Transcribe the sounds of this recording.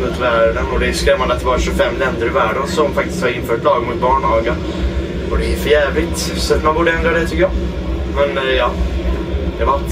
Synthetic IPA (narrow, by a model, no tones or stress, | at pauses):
ət̪væːɖənɔd̪ɛskɾɛmanət̪ːɪvɑːɾʂɵfɛmːlɛnd̪əɾɪvæːɖənsɔmfak̚t̪ɪst̪haɾɪnːfœːʈlɑːɡmʊt̪̚bɑːɳɑːɡən | ɔd̪ɛfœɾjɛːvlɪt̪ | sɔmanbuːɖəɛnd̪ɾad̪ɛt̪ʰʏkːəjɑ | mɛnjɑː | d̪ɛvat̪